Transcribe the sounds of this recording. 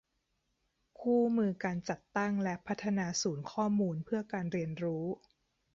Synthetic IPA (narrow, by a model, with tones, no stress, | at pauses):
kʰuː˥˩mɯː˧kaː˧nt͡ɕa˨˩t̪ːa˥˩ŋlɛ˦˥ʔpʰa˦˥t̪ʰːa˧naː˧suː˩˦nkʰɔː˥˩muː˧npʰɯ˥˩ɐkaː˧nɾi˧ənɾuː˦˥